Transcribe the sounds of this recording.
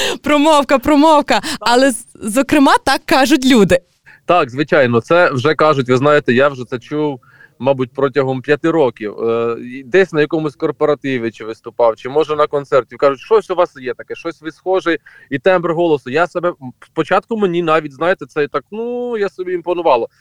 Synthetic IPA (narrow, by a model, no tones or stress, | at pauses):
pɾɔmɔwkɐpɾɔmɔwkɐɐlˠɛ | zɔkɾɪmɑt̪ɑkːɑʒʊt̬ʲlʲud̪ɪ | t̪ɑkzʋɪt͡ʃɑjnɔt̪sɛwʒɛkɑʒʊtʲʋɪznɑjet̪ɛjawʒɛt̪sɛt͡ʃuw | mɑbut̚ʲpɾɔtʲɐɦɔmpʲjɐt̪ɪɾɔkʲiw | d̪ɛsʲnɐjɐkɔmʊsʲkɔrpɔɾɐt̪ɪʋʲɪt͡ʃɪʋɪst̪ʊpɑwt͡ʃɪmɔʒɛnɐkɔnt̪sɛrtʲiwkɑʒʊtʲʃɔsʲʊʋɑsjɛt̪ɐkɛʃɔsʲʋɪsxɔʒɛ | it̪ɛmprɦɔlˠɔsʊjasɐbɛspɔt͡ʃɑt̪̚kʊmenʲinɑʋʲit̚ʲznɑjet̪ɛsɛt̪ɑknujasɔbʲiinpɔnʊʋɑlˠɔ